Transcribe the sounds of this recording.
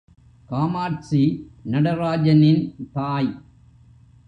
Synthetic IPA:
kaːmaːʈsinɐɽɐɾaːd͡ʒɐnɪnt̪aːj

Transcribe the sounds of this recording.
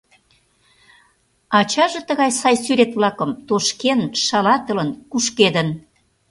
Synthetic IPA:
ɑt͡ɕɑʒet̪əɣɑjsɑjsyɾet̪βlɑkəmt̪oʃkenʃɑlɑt̪ə̆lənkuʃked̪ən

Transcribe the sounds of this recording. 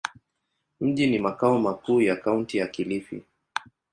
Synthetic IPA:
m̩ʄinimakaɔmakuːjakauntijakilifḭ

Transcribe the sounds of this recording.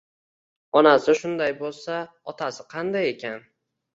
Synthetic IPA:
ɒnasɪʃʊnd̪ajbolˠsa | ɒt̪ʰasɪqʰɑnd̪aje̞kʲan

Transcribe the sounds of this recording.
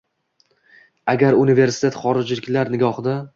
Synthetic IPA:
aɡʲaɾʊnɪve̞ɾsɪ̥t̪ʰet̪χɒɾɪd͡ʒlɪkʲlaɾnɪɡʲɒχd̪a

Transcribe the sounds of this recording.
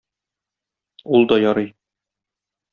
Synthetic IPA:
ulˠd̪ɒjɒɾɤj

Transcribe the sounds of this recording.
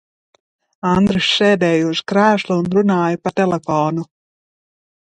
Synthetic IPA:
and̪ɾɨsʃɛːd̪ɛːjuz̥kɾæːʃlˠuunɾunaːjɐpat̪elefɔːnu

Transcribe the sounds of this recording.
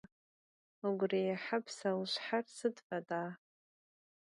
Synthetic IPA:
oɡʷrejaħapʰsawʃʷħarsɨdfʼadʼaː

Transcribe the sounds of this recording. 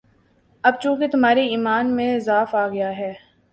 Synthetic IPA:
ɐb̚t͡ʃũːket̪ʊmɦaːɾeiːmaːnmẽɪzaːfaːɡɐjaɦɛː

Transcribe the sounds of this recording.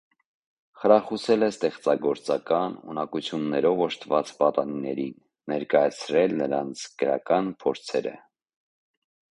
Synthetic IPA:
χəɾɑχusɛlɛst̪ɛχt͡sɑɡɔɾt͡sɑkɑnṵnɑkut͡sʰjunːɛɾɔvɔʃt̪ʰvɑt͡spɑt̪ɑninɛɾinːɛɾkɑjɑt͡sʰɾɛlnəɾɑnt͡sʰɡ̥əɾɑ̰kɑnpʰɔɾt͡sʰɛɾə̰

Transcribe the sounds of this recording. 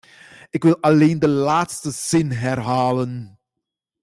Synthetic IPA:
ɪkʋɪlɑleːndəlaːtstəz̥ɪnɦɛrɦaːlən

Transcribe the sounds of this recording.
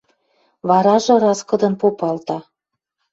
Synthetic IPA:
βɑɾɑʒɤ̆ɾɑskɤ̆d̪ɤ̆mpopɑlt̪ɑ

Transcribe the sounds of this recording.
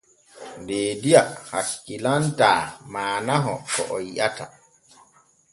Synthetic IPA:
ndeːdijahakːilantaːmaːnaɦɔ̰kɔʔɔjiʔata

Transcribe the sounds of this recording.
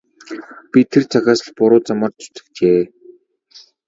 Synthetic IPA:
pʲit̪ʰert͡sʰaxʲaːsə̆ɮpʊɾʊːt͡samə̆ːrt̪ʊ̥t̪ɘ̆kt͡ɕeː

